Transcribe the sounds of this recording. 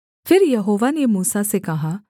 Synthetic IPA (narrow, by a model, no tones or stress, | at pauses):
pʰɪɾjɐɦoːʋanemuːsasekɐɦaː